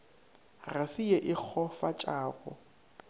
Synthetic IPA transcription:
rasijɛʔɪk͡xʰɔfat͡ʃʼaːɣɔ̰

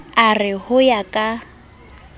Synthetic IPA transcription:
arɪhʊjakʼa

